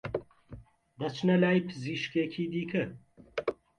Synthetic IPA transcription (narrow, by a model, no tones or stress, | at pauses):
ʁɐt͡ʃʰnɐlaːjpʰɨziːʃkeːkʰiːd̪iːkʰɨ